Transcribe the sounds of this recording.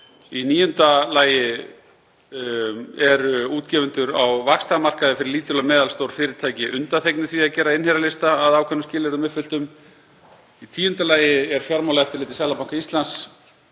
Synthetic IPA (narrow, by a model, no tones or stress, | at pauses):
iniːjʏnt̪alaːjɪ | ɛɾuːt̪cɛːvʏnt̪ʏɾawvakst̪amar̥kaðɪfɪɾɪɾliːt̪ʏlamɛːðalst̪owɾ̥fɪːɾɪɾt̪ʰaːjcɪʔʏnt̪aθejknɪθviaðcɛːɾaɪnhɛɾalɪst̪aːðawkʰvɛnːʏmscɪːlɛɾʏmɛðfʏl̥t̪ʏm | it̪ʰiːjʏnt̪alaːjɪɛɾ̥fjaɾmawlaɣɛft̪ɪɾlɪːt̪ɪsjaːlapawŋkaist̪lans